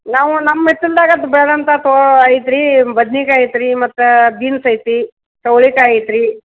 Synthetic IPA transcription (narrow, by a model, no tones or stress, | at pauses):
naːʋunɐmːet̪ːild̪aːɡɐɐd̪ubɛɭɐd̪ɐnt̪ɐt̪oaːjit̪ɾibɐd̪nikaːjt̪ɾimɐt̪ːubiːnsɐjt̪i | kɐwɭikaːjt̪ɾi